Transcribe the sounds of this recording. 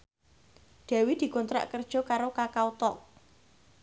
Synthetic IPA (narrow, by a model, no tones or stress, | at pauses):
d̪̥ɛ̤wid̪̥i̤kɔnt̪ɾa̰ʔkərd̥ʒ̥ɔ̤kaɾokakaut̪ɔʔ